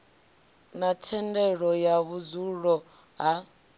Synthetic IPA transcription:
natʰɛndɛɺɔjaβud͡zuɺɔ | ɦa

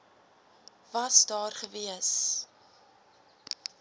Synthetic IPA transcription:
vɐsdɑːrχəviəs

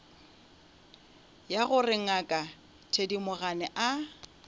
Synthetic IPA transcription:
jaɣʊrɪŋ̩akʼa | tʰedimʊɣanɛʔa

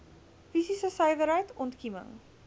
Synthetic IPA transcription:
fisisəsəjvəɾɦəjtɔntkimə̰ŋ

